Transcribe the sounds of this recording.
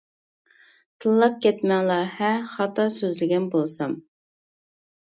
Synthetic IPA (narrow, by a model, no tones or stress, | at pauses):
t̪ʰɨlˠːɑp̚kʲɛt̪mɛŋlˠɑhɛχɑt̪ɑsøzlɪɡʲɛnbolˠsɑm